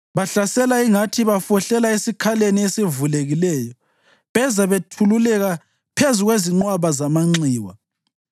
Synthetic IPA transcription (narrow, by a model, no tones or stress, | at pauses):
βaɬasɛlaiŋatʰiβafɔɬɛlaesikʰaleniesivuleɣilɛːjɔ | βɛzaβetʰululɛɣa | pʰezuɣweziŋ͡ǃwaβazamaŋ͡ǀiːwa̰